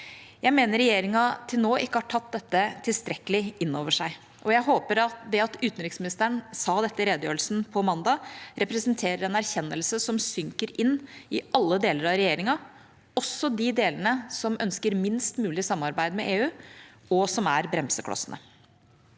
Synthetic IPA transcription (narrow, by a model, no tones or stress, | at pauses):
jæɪmeːnəɾːɛjeːɾɪŋɑt̪ʰɪlnoːʔɪkːəhɑʈʰɑt̪̚d̪ɛt̪ːət̪ʰɪlst̪ɾɛkːəlɪɪnːoːʋəʂæɪ | ʔɔjæɪɦoːpəɾɑt̪d̪ɛɑt̪ʉːt̪n̩ɾɪksmɪnɪst̪əəɳsɑːd̪ɛt̪ːəɾeːd̪əjøːɾəlsn̩pʰɔmɑnd̪ɑɾɛpɾɛsənt̪ʰeːɾəɾɛnæɾçɛnːəlsəsɔmsʏŋkəɾɪnːɪʔɑlːəd̪eːləɾɑɾɛjeːɾɪŋɑ | ɔsːɔd̪ɪd̪eːlənəsɔmʔœnskəɾmɪnst̪mʉːlɪsɑmːɑɾbæɪd̪mɛʔeːʉː | ɔsɔmæɾbɾɛmsəkʰlɑ̰sənə̰